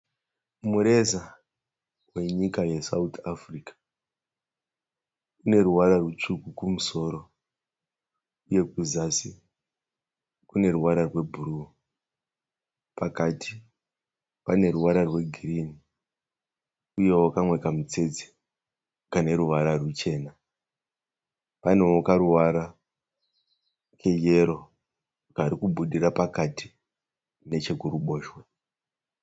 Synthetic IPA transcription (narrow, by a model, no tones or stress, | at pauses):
muɾe̞za | we̞ɲikajesautʰafrikḁ | une̞ɾuwaɾarwet͡ʂukukumuso̞ːɾo̞ | uje̞kuzasi | kune̞ɾuwaɾarwe̞bʱuru | pakatʰi | pane̞ɾuwaɾarwe̞ɡʱiriːni | uje̞wokamwe̞kamut͡se̞d͡ze̥ | kane̞ɾuʋaɾarwut͡ʃe̞ːna | pan̤uokaɾuwaɾa | kʰe̞je̞ɾo̞ | kaːɾikuɓuɗirapakati | ne̞t͡ʃe̞ɡʱuɾuɓo̞ːʃwe